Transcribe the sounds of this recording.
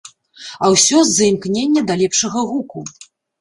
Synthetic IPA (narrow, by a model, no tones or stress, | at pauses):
ɐwsʲɔzːɐimknʲenʲːɐd̪alʲɛpʂɐɣɐɣuku